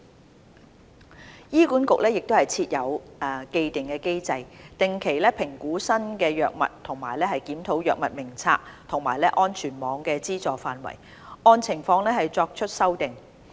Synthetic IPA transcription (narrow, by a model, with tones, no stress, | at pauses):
jiː˥kuː˨˥nkʊ˨k̚lɛː˥jɪ˨k̚t̪o˥hɐ˨˩jt͡sʰiː˧t̚jɐ˨˧wke˧jt̪ɪ˨˩ŋkɛː˧ke˥jt͡sɐ˧jt̪ɪ˨ŋkʰe˨˩jlɛː˥pʰɪ˨˩ŋkuː˨˥sɐ˥nkɛː˧jœː˨k̚mɐ̰˨t̚t̪ʰʊ˨˩ŋmaː˨˩jlɛː˥hɐ˨jkiː˨˥mt̪ʰo˨˥wjœː˨k̚mɐ˨t̚mɪ˨˩ŋt͡sʰa̰ː˧k̚t̪ʰʊ˨˩ŋmaː˨˩jlɛː˥ʔɔː˥nt͡ʃʰyː˨˩nmɔː˨˧ŋkɛː˧t͡siː˥t͡sɔː˨faː˧nwɐ̰˨˩j | ɔː˧nt͡sʰɪ˨˩ŋfɔː˧ŋlɛː˥hɐ˨jt͡sɔː˧k̚t͡ʃʰɵ˥t̚sɐ˥wt̪ɪ˨ŋ